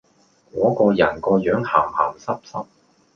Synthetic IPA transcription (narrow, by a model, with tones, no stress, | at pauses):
kɔː˨˥kɔː˧jɐ˨˩nkɔː˧jœː˨˥ŋhaː˨˩mha̰ː˨˩msɐ˥p̚sɐ˥p̚